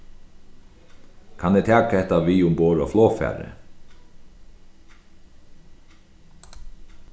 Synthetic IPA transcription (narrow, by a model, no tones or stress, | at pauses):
kʰanɛt̪ʰæːkahɛht̪aʋiːʊmboːɹɔfloːfæ̰ːɾə̰